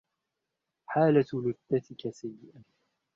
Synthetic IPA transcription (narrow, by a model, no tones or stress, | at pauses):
ħaːlat̪lʊd̪ːat̪ɪkasajːɪʔan